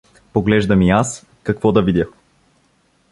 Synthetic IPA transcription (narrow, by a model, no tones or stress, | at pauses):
poɡlɛʒd̪ɐmias | kɐkvɔd̪ɐvid̪ʲjə